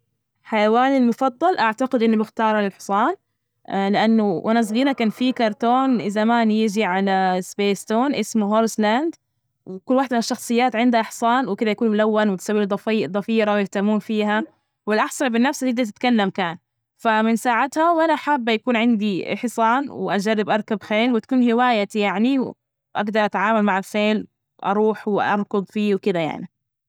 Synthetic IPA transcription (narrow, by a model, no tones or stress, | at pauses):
ħajawaːlilmʊfɑd̪ˤːɑlʔaʕt̪aɡɪd̪ʔɪnːʊmʊxt̪ɑːɾˤɑlɪlħɪ̥sˤɑːn | lɪʔanːʊʔanas̬ɣiːɾakaːnfikɑɾˤt̪oːnʔɪzamaːnjɪd͡ʒiʕalasbeːst̪oːnʔɪsmuɦoːɾsland̪ | wkʊlːwaːħd̪ʔɪnaʃːɑxsˤɨjːaːt̪ʕɪnd̪haʔɪħsˤɑːnwɪkɪd̪ajakuːnmʊlawːanwɪt̪sawːiːld̪ˤɑfːʔd̪ˤɑfiːɾawjɪht̪amuːnfiːɦa | wɪlʔaħsˤɑnbɪnːafsaɪd̪at̪ɪt̪kalːamkaːn | famɪnsaːʕat̪hawʔanaʔaħabːjakuːnʕɪnd̪iʔɪ̰ħsˤɑːnwɪʔad͡ʒarːɪbʔɑɾˤkabxeːlwɪt̪akuːnhɪwaːjajaʕniw | ʔa̰ɡd̪ɑɾˤʔat̪ʕaːmalmaʕafeːl | ʔɑ̰ɾˤuːħwɪʔɑ̰ɾˤkʊd̪ˤfiːwkɪd̪aja̰ʕni